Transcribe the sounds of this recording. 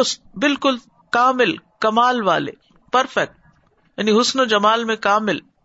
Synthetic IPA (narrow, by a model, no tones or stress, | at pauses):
ʊsbɪlkʊl | kaːmɪlkɐmaːlʋaːlḛ | pɐɾfɛk̚ʈ̚ | jaːniɦʊsnod͡ʒɐmaːlmẽkaːmɪl